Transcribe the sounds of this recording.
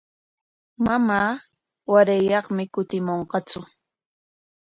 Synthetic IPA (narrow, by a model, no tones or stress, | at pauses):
mamaː | waɾajɑχmɪkʊt̪ɪmoɴqɑt͡sʊ